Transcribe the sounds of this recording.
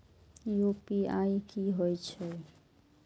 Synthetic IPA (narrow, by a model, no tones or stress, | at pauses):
jupiaikiɦojt͡ʃʰe